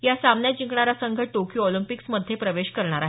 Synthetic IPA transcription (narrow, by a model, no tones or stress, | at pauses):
jasamnjad͡ʑiŋkɳaɾasəŋɡʱəʈokjuɔlimpiksməd̪ʱjepɾəʋeɕkəɾɳ̃aɾaɦ